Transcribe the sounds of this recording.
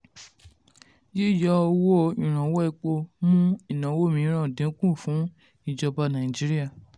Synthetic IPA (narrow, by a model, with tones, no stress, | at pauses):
je˦˨jɔ˨˦ɔ˧wo˦˨ĩ˨ɾ̃ã˨˦wɔ˦i˦˧˨k͡po˧mũ˦i˨nã˨˦wo˦˨mĩ˨˦ɾ̃ã˦˨dĩ˨˦kũ˦˨fũ˨˦ | i˨d͡ʒɔ˧ba˧nã˨i˨d͡ʒi˦ɾi˦a˦˨